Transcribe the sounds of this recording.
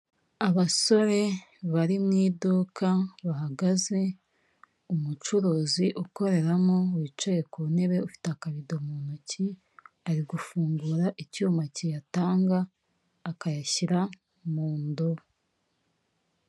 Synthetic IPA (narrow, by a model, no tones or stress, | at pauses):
aβaso̞ɾe̞βaɾimŋiːdukʰaβaɦaɡaze̞ | umut͡ʃuɾoːziʔuko̞ɾe̞ɾamo̞wit͡ʃejekuːne̞βe̞ufi̥teakaβidomunuci | aɾiɡufuːŋɡuɾaʔicuːmacijataːŋɡaː | kajaçiɾa | muːndo